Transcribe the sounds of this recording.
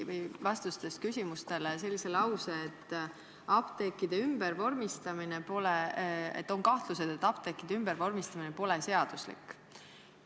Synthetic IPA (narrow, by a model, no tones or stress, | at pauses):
vɯjvɑst̪ust̪e̞st̪̚kysʲimust̪e̞lese̞lʲːise̞lɑwseːt̪ː | ɑpt̪ekˑːid̪e̞ymb̥ervo̞rmist̪ɑmine̞po̞leḛt̪ːˑoŋkɑht̪luse̞d̪̥e̞t̪ːˑɑp̚t̪ekːˑid̪̥eymbervo̞rmist̪ɑminepo̞le̞se̞ɑd̪̥uslḭkːˑ